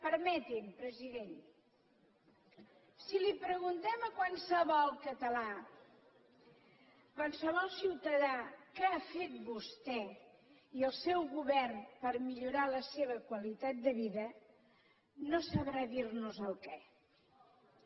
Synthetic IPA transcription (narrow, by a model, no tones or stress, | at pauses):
pəɾmɛt̪impɾəziðen | silipɾəɣunt̪ɛməkwansəβɔlˠkət̪əla | kwansəβɔlˠsiwt̪əðakɛafet̪̚bust̪ɛ | iəlˠsɛwɣuβɛrnpəɾmiʎuɾaləseβəkwəlit̪at̪̚d̪əβiðə | nosəβɾaðirnuzəlˠkɛ